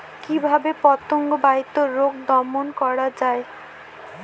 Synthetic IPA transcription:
kibʱabepɔt̪oŋɡobait̪ːoɾoɡd̪ɔmonkɔɾad͡ʑae

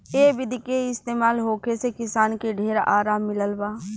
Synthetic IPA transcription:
eːbɪd̪keɪst̪eːmaːlɦoːkesekɪsaːnkeɖʱeːɾaːɾaːmːɪləlbaː

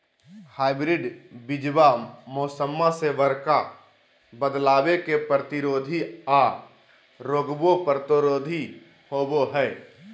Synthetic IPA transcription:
haːɪbɾɪɖbɪd͡ʒbamoːsəmːaseʋəɾka | bəd̪laːwekepɾət̪ɪɾoːd̪ʱia | ɾoːɡbopɾət̪ɪɾoːd̪ʱi | hoːboɦɛː

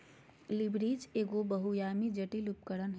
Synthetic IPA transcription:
libɾid͡ʒeːɡobəɦujamid͡ʒəʈilup̚kəɾənɦ

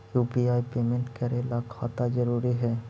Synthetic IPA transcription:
jupiajpemẽɳʈkɛɾelakhɔt̪ad͡ʒɔɾuɾiɦɛ

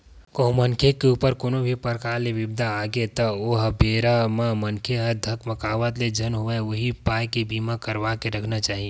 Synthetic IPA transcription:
koɦũmənkʰekeupəɾkoːnobʱipəɾkaɾleʋɪbd̪ʱaːɡet̪əoɦbeɾamamənkʰeɦəd̪ʱəkʰməkaːʋət̪led͡ʒʱənɦoeoɦipajkebimakəɾʋakeɾəkʰnat͡ʃaːɦi

